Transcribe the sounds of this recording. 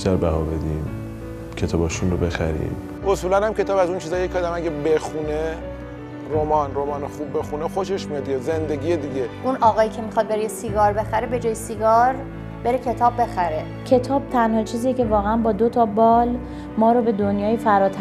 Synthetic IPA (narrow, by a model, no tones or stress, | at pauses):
biʃt̪æɾbæɦɒːbe̞d̪iːm | cʰe̞t̪ʰɒːbɒːʃunrobe̞xæ̰ɾḭːm | ʔosuːlænhæmcʰe̞t̪ʰɒːbæzunt͡ʃʰizɒːjecʰɒːd̪æmæɡæbexune | ɾomɒːnɾomɒːnexubːe̞xunexo̞ʃeʃmijɒd̪d̪ieze̞nd̪e̞ɡiːed̪iɟeʔunʔɒːɣɒːjiːcʰe̞mixɒd̪̚be̞ɾejesiɡɒːɾbe̞xæɾebe̞d͡ʒɒːjesiɡɒːɾ | be̞ɾecʰe̞t̪ʰɒːbːe̞xæɾe | cʰe̞t̪ʰɒːb̥̚t̪ʰænhɒːt͡ʃʰiːzijecʰe̞vɒːɣeænbɒːd̪ot̪ʰɒbɒːl | mɒːɾobe̞d̪onjɒːjefæɾɒːt̪ʰ